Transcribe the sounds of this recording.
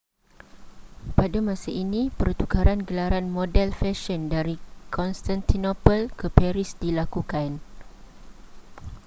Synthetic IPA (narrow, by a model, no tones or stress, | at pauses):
padamãsaʔinĩpərt̪ukaɾanɡəlaɾanmɔdɛlfɛʃɔndaɾikʰɔnst̪ãnt̪inopəlkəpɛɾisdilakukan